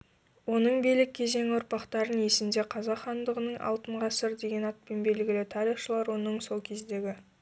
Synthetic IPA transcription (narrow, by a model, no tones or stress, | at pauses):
wo̞nəɴbijlɪk̚ʲʰːe̞ze̞ŋʊɾpɑqt̪ɑɾəne̞sɪnd̪e̞qʰɑzɑqχɑnd̪əʁənəɴʔɑ̰lˠt̪əɴʁɑsɪɾd̪e̞ɡʲe̞nɑt̪̚pe̞nbe̞lɡʲɪlɪt̪ʰɑɾijχʃəlˠɑɾwo̞nəɴso̞lˠkʲʰe̞zd̪e̞ɡʲɪ